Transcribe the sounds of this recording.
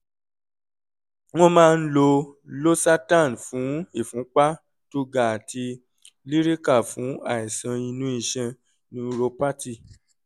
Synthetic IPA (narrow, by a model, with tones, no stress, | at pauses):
w̃ɔ̃˦mãː˦˧n̩˦lo˧lo˦sa˦ta˦˨n˨fũ˨˦i˦˨fũ˨˦k͡pa˦ | to˦ɡa˦˨a˨tʰi˧ | li˦ɾi˦ka˦˨fũ˨˦a˦˨i˨sã˧i˧nũ˦i˦˧˨ʃɛ̃˧ | nĩ˦ɾo˧pa˦ti˦˨